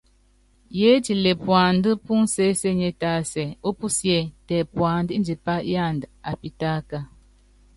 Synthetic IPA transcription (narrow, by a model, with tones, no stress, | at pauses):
je˦ti˨le˨pwa˨n˦də˦pu˦n̩˦se˦se˦ɲe˦taː˨˦sɛ˨o˦pu˦sje˦˨tɛ˨pwa˨ndi˦n˦d͡ʒi˨pa˦ʔja˦˨nda˨pi˦ta˦ka˦